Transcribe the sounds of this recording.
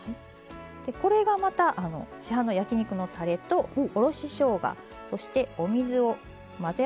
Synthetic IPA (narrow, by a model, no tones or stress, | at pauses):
hai | d̪̥e̞ko̞ɾe̞ɡamat̪aʔano̞̰ɕiɦãno̞jakʲiɲ̟ikɯ̟no̞t̪ʰaɾe̞t̪o̞ːɾo̞ɕiɕo̞ːɡa̰ | so̞ɕi̥t̪e̞o̞mʲizɨo̞ | maze